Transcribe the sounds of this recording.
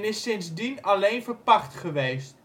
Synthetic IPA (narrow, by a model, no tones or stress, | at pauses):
nɪsɪnzdinalejnvərpɑχtχəʋejst